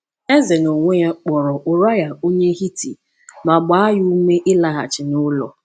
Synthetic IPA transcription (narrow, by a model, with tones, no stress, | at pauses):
e˦ze˨no˨ŋʷe˦ja˦k͡pɔ˨ɾɔ˨ʔʊ˨ɾa˦ja˨o˦ɲe˦ɦi˦tḭ˨ | ma˨ɡ͡ba˨˦a˦ju˦me˦ʔɪ˦la˦ɣa̰˨t͡ʃɪ˨nʊ˦lɔ̰˨